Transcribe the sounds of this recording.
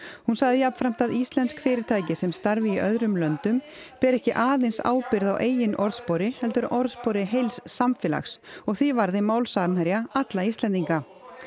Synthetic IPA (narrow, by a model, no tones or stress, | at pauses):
hunsaɣðɪjapn̥fɾam̥t̪aðist̪lɛnskfɪːɾɪɾt̪ʰaːjcɪsɛmst̪aɾvɪiʔœðɾʏmlœnt̪ʏm | pɛɾɛhcɪʔaːðejnsa̰ːwpɪɾðawʔeːjɪnʔɔɾðspɔɾɪhɛlt̪ʏɾʔɔɾðspɔɾɪɦejlsːamfɪːla̰xsɔɣθivaɾðɪmaːwlsaɾnhaɾjaat̪laist̪ɛnt̪iŋka